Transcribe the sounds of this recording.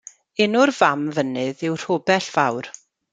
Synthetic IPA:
ɪnʊrvamvənɨðɪwr̥oːbɛɬv̥awr

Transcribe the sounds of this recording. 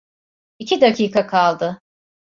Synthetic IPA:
icʰid̪acʰiːkʰakʰalˠd̪ɯ

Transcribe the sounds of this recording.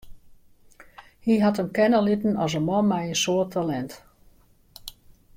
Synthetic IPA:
hiɦatəmkɛnəlitən̩ɔs̬əmɔmɛjənsoətʰalɛnt

